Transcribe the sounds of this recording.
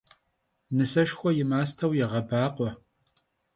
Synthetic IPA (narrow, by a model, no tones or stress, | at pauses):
nɨsɐʃxʷɔjɪmaːstʰɐwjɛʁɐbaːqʷʼɔ